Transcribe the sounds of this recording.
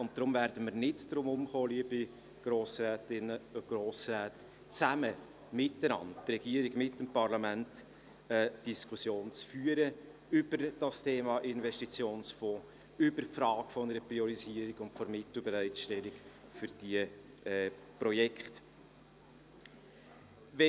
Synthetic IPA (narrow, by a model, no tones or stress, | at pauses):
ʊntt̪ɾʊmvæːɾd̥əməɾnɪtdɾʊmʊmχoːliəbi | ɡ̥ɾoːsræːtɪnəʊɡ̥roːsræːt | t͡sæmə | mɪtːənɑ̰ndtrɛɡ̥iəɾiɡmɪtːəmpɑɾlɑmænt | ɛd̥iskʰʊsjoːnt͡sfyəɾə | ʏbəɾd̥ɑstʰeːmɑʔɪnvɛstit͡sjoːnsfɔː | ʏbəɾfɾɑːɡ̥fɔnəɾəpɾiɔɾiziəɾiɡʊntfɔɾmɪt̪l̩ˠbɛɾæɪtʃtɛliɡfʏɾd̥iə | ɛ | prɔjɛkχt | ʋɛ